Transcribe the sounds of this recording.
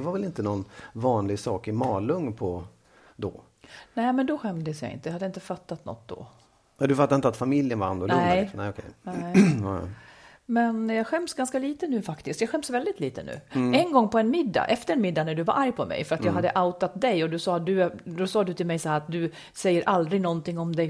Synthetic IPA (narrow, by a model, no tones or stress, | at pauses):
ɛvaɾvɛlɪnt̪ənɔnvɑːnlɪɡsɑːkɪmɑːlɵŋːpʰɔ | d̪ɔ̰ | nɛːmɛnd̪ɔɧɛmd̪əsjɑ̰ɪ̰nt̪əjhad̪ːjaɪnt̪əfat̪ːat̪nɔ̰t̪̚d̪ɔ̰ | ad̪ɵfat̪ːɾɪnt̪at̪famɪljənvaa̰nd̪ɔlʊnɛ̰ɔkʰɛ̰jnɛɪ̰ | mɛnjɑːɡɧɛmsɡanskaliːt̪ənʉ̟ːfakt̪ɪsk̪t̪jɑɡɧɛmsvɛld̪ɪt̪liːt̪ənʉ̟̰ːɛnɡɔŋːpɔɛnmɪd̪ːa̰ʔɛft̪əɾɛnmɪd̪ːanæɖɵvaɾʔaɾjpʰɔmɛ̰jfœɾat̪jɑːɡɦad̪ːəʔaʊt̪at̪̚d̪ɛjɔd̪ɵsɑːd̪ɵd̪ɔsɑːd̪ɵt̪ʰɪlmɛjsahæːɾat̪̚d̪ɵ | sɛjːəɾʔald̪ɾɪɡnɔnt̪ɪŋːɔmd̪ɛ